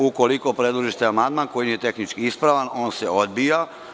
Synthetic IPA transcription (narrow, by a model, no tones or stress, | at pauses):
uko̞liko̞pɾe̞d̪luʒiʃt̪eamand̪manko̞jiijet̪e̞xnit͡ʃkiispɾaʋano̞ːnse̞o̞d̪bija